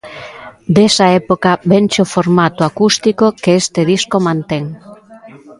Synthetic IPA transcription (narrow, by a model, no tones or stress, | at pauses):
d̪esɐɛpokɐbent͡ʃofoɾmat̪ʊakust̪ikokeest̪eðiskomãnt̪eŋ